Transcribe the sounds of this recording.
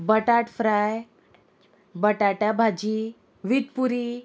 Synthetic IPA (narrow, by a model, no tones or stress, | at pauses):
bəʈaʈfɾaj | bəʈaʈabʱad͡ʑi | ʋid̪̚puɾi